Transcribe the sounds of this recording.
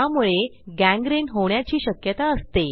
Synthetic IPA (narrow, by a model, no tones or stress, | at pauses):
amuɭeɡæ̃ŋɡɾenɦoɳjat͡ɕiːɕəkjət̪aəst̪e